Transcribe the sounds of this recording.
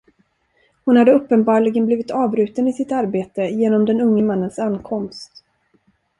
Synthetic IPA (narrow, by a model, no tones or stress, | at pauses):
hʊnhad̪ːəɵpːənbɑːɭɪɡənbliːvɪt̪ʰɑːvɾʉ̟ːt̪ənɪsɪt̪aɾbeːt̪əjeːnɔmd̪ɛnɵŋːəmanːənsanːkʰɔmst̪